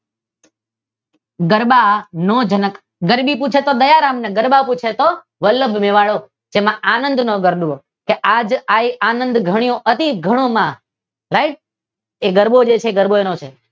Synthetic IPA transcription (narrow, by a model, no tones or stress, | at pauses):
ɡəɾɓanõd͡ʒənək | ɡəɾbiput͡ʃʰet̪od̪əjaɾamneɡəɾbaput͡ʃʰet̪o | ʋəlːəbʱmeʋaɭo | d͡ʒemãanə̃nd̪noɡəɾɗuo | keʔad͡ʒaianənd̪ɡʱəɽ̃ijõʔət̪iɡʱəɽ̃omã | ɾaiʈ̚ | eɡəɾbod͡ʒet͡ʃʰeɡəɾboenõt͡ʃʰe